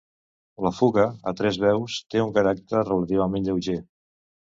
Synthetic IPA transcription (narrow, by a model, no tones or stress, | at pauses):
ləfuɣəət̪ɾɛzβɛwst̪euŋkəɾak̚t̪əɾrələt̪iβ̞əmẽnʎəwʒe